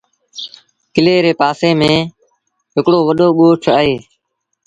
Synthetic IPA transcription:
kɪleːɾeːpaːseːmẽː | ɦɪkɽoːʋəɗoːɓoːʈʰaːɦeː

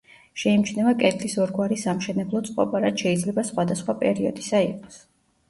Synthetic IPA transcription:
ʃɛimt͡ʃʰnɛmakʼɛt̪ʰlisɔɾɡwaɾisamʃɛnɛblˠɔt̪sʼqʼɔ̰baɾat̪ʃɛid̪zlɛbasχwad̪asχwapʼɛ̰ɾiɔd̪isaiqʼɔ̥s

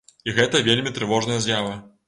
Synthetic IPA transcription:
iɣɛt̪ɐvʲelʲmʲit̪ɾɨvɔʐnɐjɐzʲjavɐ

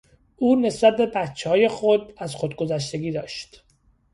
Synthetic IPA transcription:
ʔuːne̞sbæt̪̚be̞bæt̪t͡ʃʰːehɒːje̞xod̪æzxod̪̚ɡo̞zæʃ̬t̪e̞ɡʲiːd̪ɒːʃt̪

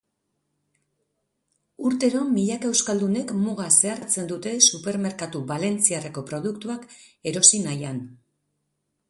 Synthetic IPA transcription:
uɾt̪e̞ɾo̞miʎake̞wskald̪une̞kmuɣase̞aɾt͡se̞nd̪ut̪e̞supe̞ɾme̞ɾkat̪uβale̞nt͡siareko̞pɾo̞ð̞ukt̪uak | e̞ɾo̞sinajan

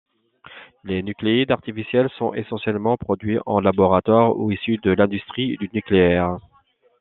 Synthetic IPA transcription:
lenykleid̪aʁt̪ifisjɛlsɔ̃ʔesɑ̃sjɛlmɑ̃pχɔd̪ɥiʔɑ̰̃labɔʁat̪waʁṵisyd̪əlɛ̃d̪yst̪χid̪ynykleɛːʁ

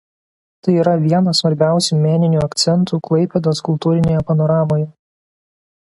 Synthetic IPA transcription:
t̪ɐɪiːɾɐʋʲiɛnɐsʋɐɾʲbʲæˑʊsʲuːmʲæːnʲɪnʲuːɐkt̪sʲɛnt̪uːklˠɐɪpʲɛd̪oskʊlˠt̪uːɾʲɪnʲeːjɛpɐnɔɾɑːmoːjɛ

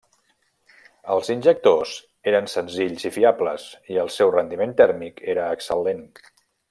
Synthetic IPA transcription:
əlˠzinʲʒək̚t̪oz | eɾənsənziʎzifiablə̰ziəlˠsɛwrənd̪iment̪ɛɾmikʰeɾəːksəlen

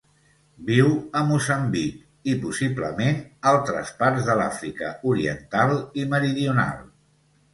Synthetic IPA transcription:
biwəmuzəmbik | ipusiblə̰menalˠt̪ɾə̰spaɾzðəla̰fɾikə̰uɾiənt̪alˠiməɾiðiuna̰lˠ

